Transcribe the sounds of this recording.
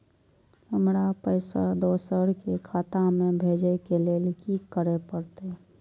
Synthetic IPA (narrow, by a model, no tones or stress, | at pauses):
həmɾapəɪsad̪oːsəɾkekʰaːt̪amẽbʱeːd͡ʒekeleːlkikəɾepəɾt̪e